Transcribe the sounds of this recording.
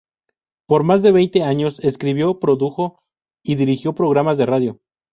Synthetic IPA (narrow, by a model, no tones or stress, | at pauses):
po̞ɾmazðe̞βe̞jnt̪e̞aɲo̞se̞skɾiβjo̞pɾo̞ðuxo̞ | iðiɾixjo̞pɾo̞ɣɾamazðe̞raðjo̞